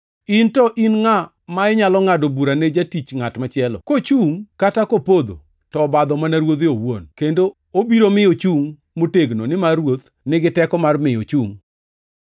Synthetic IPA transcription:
intɔʔinŋa | maɪɲalɔŋadobuɾaned͡ʒatit͡ʃŋatmat͡ʃɪɛlɔ̰kot͡ʃuŋkatakopod̪o̰ | tɔbad̪ɔmanaɾwod̪jowonkendo | obiɾomɪjot͡ʃuŋ | moteɡnonɪmarwot̪ | nɪɡɪtɛkɔmarmɪjo̰t͡ʃuŋ

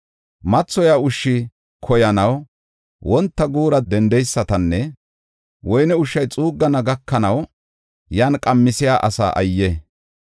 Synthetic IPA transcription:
mɐt͡sːɔjaːʊʃːɪ | kʰɔjɐnɐw | wɔnt̪ːɐɡuːɾɐd̪ɛnd̪ɛjsːɐt̪ɐnːɛ | wɔjnɛʊʃːɐjt͡sʼuːɡːɐnɐɡɐkːɐnɐw | jaːnkʼɐmːɪsɪjaːʔɐsa̰ːʔɐ̰jːɛ

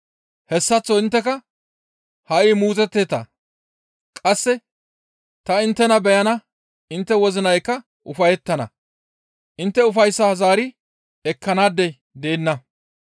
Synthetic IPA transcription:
hɛsːɐt͡sːɔɪnt̪ːɛkɐ | hɐʔiːmuːt͡sʼɛt̪ːeːt̪ɐ̰ | kʼɐsːɛ | t̪ɐɪnt̪ːɛnɐbɛjɐnɐ | ɪnt̪ːɛwɔzɪnɐjkːɐ | ʔʊfɐjɛt̪ːɐnɐ̰ | ʔɪnt̪ːɛʊfɐjsːɐhɐzaːɾɪ | ɛkːɐnaːd̪ːɛ | d̪e̞ːnːɐ

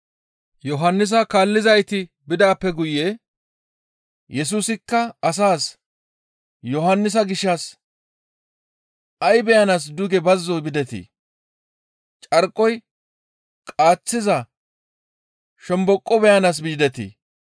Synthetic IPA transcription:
jɔɦɐnːɪs̬ɐkaːlːɪzɐjt̪ɪ | bɪd̪aːpːɛɡʊjːɛ | jʔɛs̬uːsɪkːɐɐs̬aːs | jɔɦɐnːɪs̬ɐɡɪʃːɐs | ɐjbɛjɐnaːs̬d̪ʊɡɛbɐzːɔjbɪd̪ɛt̪ɪ̰ | t͡ʃʼɐɾkʼɔj | kʼaːt͡sːɪzɐ | ʃɛmbɔkʼːɔbɛjɐnaːs̬biːd̪ɛt̪ɪ̰

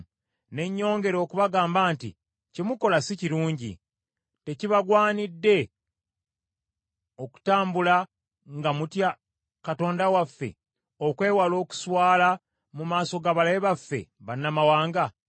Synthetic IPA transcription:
ne̞ɲːo̞ːŋɡe̞ɾo̞ːkuβaɡaːmbaːntḭ | cimuko̞lasiciɾuːɲɟḭ | te̞ciβaɡwaːnidːe̞ | o̞ku̥taːmbula | ŋɡamutja | kato̞ːndawafːe̞̰ | okwe̞ːwalo̞ːku̥swaːla | mumaːso̞ɡaβalaeβafːe̞̰βanːamawaːŋɡa

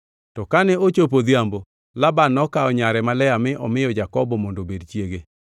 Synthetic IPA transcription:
tɔkanɛot͡ʃop̬od̪jambo | labanːɔkaɔɲaɾɛmalɛjamɪʔɔmɪjɔd͡ʒakɔbɔmondobedt͡ʃjeɡe

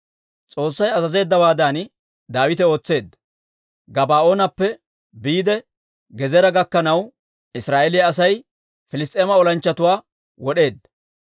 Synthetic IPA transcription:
t͡sʼo̞ːsːɐjɐzɐze̞ːd̪ːɐwaːd̪an | d̪aːwɪt̪ɛo̞ːt͡sːe̞ːd̪ːɐ | ɡɐbaːʔo̞ːnɐpːɛ | biːd̪ɛ | ɡɛzɛɾɐɡɐkːɐnɐw | ɪsɾaːʔelɪjɐːsɐj | fɪlɪst̪ʼeːmɐɔlɐnt͡ʃːɐt̪ʊwaː | wɔɗe̞ːd̪ːɐ̥

